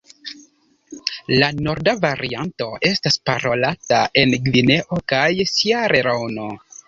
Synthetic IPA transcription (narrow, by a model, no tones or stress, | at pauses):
lano̞ɾdavaɾianto̞e̞staspaɾo̞latae̞nɡvine̞ʔo̞kajsiaɾeɾawno̞